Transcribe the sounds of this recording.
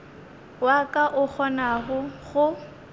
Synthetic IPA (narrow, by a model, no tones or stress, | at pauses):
wakʼaʔʊk͡xʰɔnaɣʊɣʊ